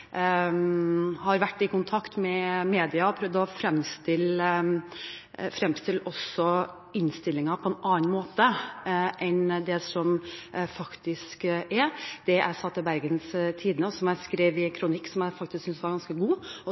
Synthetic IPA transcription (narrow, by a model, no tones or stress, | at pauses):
hɑɾʋæʈːɪkʊnt̪ʰɑkt̪mɛmeːd̪ɪɑɔpʰɾœʋd̪ɔfɾɛmst̪ɪlː | fɾɛmst̪ɪlːɔsɔ | ɪnst̪ɪlːɪŋɑpʰɔɛnɑːnmoːt̪əʔɛnd̪ɛsɔmfɑkt̪ɪskʔɛɾd̪̥ɛʔæ̰ɪsɑt̪ːɪbæɾɡənst̪ʰiːd̪nəɔsɔmæɪskɾeːʋɪkʰɾʊnɪkːsɔmjæɪfɑkt̪ɪsksʏnsʋɑɾɡɑnskəɡuːɔ